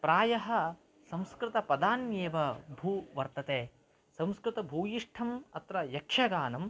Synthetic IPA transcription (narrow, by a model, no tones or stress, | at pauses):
pɾaːjɐɦɐ̆ | sɐ̃mskɾɪt̪ɐpɐd̪aːnjeːʋɐbʱuːʋɐɾt̪ɐt̪eː | sɐ̃mskɾɪt̪ɐbʱuːjiʂʈʰɐmɐt̪ɾɐjɐkʂɐɡaːnɐm